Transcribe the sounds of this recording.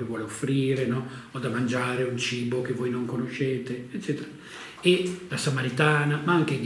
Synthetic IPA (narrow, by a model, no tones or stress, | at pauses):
evwɔːleofːɾiːɾenɔɔd̪amand͡ʒaːɾeunt͡ʃiːbok̟evːojnoŋkonoʃɛːt̪eːtt͡ʃːɛːt̪eɾa | elasamaɾit̪aːnamaaŋk̟eɡ